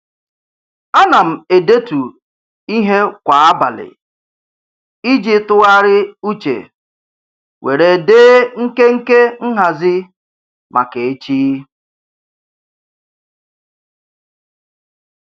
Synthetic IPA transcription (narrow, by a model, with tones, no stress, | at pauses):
a˦na˨m̩˨e˨de˦tu˨ | i˦ɦe˦kʷa˨a˦ba˨lɪ̰˨ | i˦d͡ʒi˦tʊ˦ɣa˦ɾɪ˦u˦t͡ʃḛ˨ | we˨ɾe˨deː˦ŋ̩˦ke˦ŋ̩˦ke˦ŋ̩˦ɦa˨zɪ˦ | mʔa̰˨ke˨e˦t͡ʃiː˦